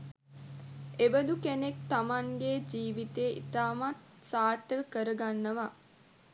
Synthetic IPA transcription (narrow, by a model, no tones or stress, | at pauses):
ebəd̪ukenek̚t̪amaŋɡed͡ʒiːʋit̪eːḭt̪aːmat̪ | saːt̪ːəkəɾəɡanːəʋa